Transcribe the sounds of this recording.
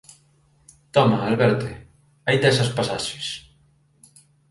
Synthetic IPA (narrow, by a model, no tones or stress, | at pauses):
t̪ɔmaːlβɛɾt̪e | ajd̪ɛsɐspasaʃe̥s